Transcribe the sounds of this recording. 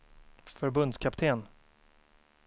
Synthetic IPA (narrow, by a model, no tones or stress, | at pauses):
fœɾbɵnd̪skʰapt̪ʰeːn